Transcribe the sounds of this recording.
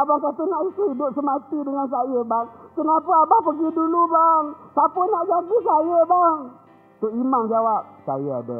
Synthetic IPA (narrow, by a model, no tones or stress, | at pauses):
abaŋkat̪ənaʔisəidʊp̚səmat̪idəŋans̬ajəbaŋkənapaabaŋpəɡidulubaŋsapənaʔd͡ʒaɡisajəbaŋ | t̪ʊʔimaŋd͡ʒawap̚sa̰jəa̰də̰